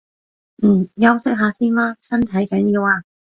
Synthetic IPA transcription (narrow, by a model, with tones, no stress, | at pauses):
m̩˨˩jɐ˥wsɪ˥k̚ɦaː˨˧siː˥nlaː˥sɐ˥nt̪ʰɐ˨˥jkɐ˨˥njiː˨˧˥waː˧